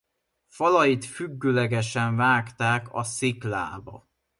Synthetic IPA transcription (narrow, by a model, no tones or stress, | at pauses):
fɒlɒjit̪fyɡːøːlɛɡɛʃɛɱvaːkt̪aːkɒsikla̰ːbɒ̰